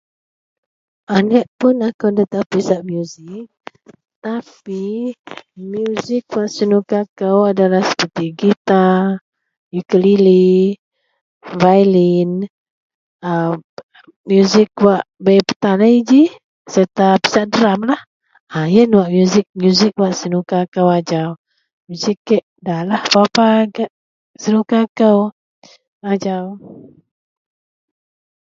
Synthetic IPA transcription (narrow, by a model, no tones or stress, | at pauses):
ʔanəʔpʊnakawdat̪apisaʔmjuzɪk̚ | t̪api | mjuzɪk̚waʔsənukakawadalahsə̥pərt̪iɡit̪a | jukəlili | vajlin | ə | mjuzɪk̚waʔbəjpə̥t̪aləid͡ʒi | səɾt̪api̥saʔdəɾamlah | ajənwaʔmjuzɪk̚mjuzik̚waʔsənukakəwad͡ʒaw | mjuzikːɛʔdalahpapaɡaʔ | sənukakəw | ad͡ʒaw